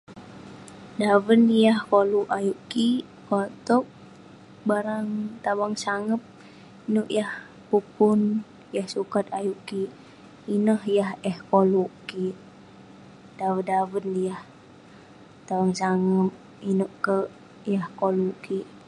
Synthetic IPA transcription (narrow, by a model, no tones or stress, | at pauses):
dawənjahkoluʔajuʔki | kot̪ɔk̚ | baɾaŋt̪awaŋsaŋəp̚ | inuʔjah | pupun | jahsukat̪̚ajuʔkiː | nəhjahɛhkoluʔkiʔ | dawədawənjah | t̪awaŋsaŋəp̚ | inuʔkə | jahkoluʔkiʔ